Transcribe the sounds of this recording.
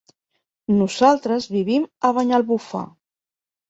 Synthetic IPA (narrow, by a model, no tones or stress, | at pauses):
nuzalˠt̪ɾəzβiβ̞iməβ̞aɲalˠβufa̰